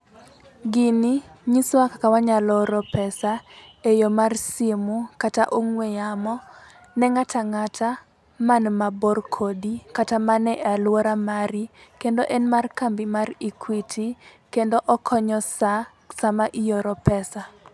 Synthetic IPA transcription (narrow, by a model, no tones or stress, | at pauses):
ɡɪniɲiswakakawaɲalɔɾɔpɛsaejomarsimukataʔoŋwejamɔ | nɛŋatʰaŋatʰa | manmaborkʰodikatamanɛʔalwoɾamaɾikendoʔɛnmarkambimarikʰwitʰikendoʔɔkʰɔɲɔsa | samaʔijoɾɔpɛsa